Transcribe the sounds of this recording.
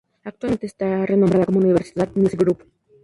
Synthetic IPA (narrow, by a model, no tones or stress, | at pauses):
ak̚t̪uament̪est̪arenombɾaðakomouniβ̞eɾsi̥t̪at̪misɡɾup